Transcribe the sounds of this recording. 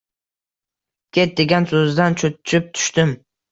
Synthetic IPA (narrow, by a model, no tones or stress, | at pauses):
kʲʰet̪̚d̪eɡʲansɵzd̪ant͡ʃʰot͡ʃʰɪp̚t̪ʰʊ̥ʃt̪ɪm